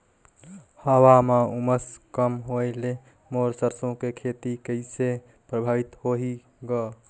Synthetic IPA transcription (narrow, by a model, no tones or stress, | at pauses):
həwamauməskəmɦoele | moɾsəɾsõkekʰet̪ikəɪse | pɾəbʱabit̪hoɦi | ɡɔ